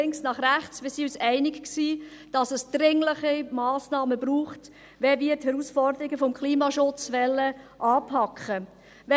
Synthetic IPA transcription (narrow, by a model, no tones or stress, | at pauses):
ɪŋsnɑχræχt͡smɪːsiysæɪnɪkksiːd̥ɑsəsd̥ɾɪŋləχimɑːsnɑːməbɾuːχt | ʋɛvɪəthɛɾuːsfɔɾd̪əɾɪɡəfɔmkʰχliːmɑʃʊt͡sʋɛlːəʔɑːpʰɑkχə | ʋɛ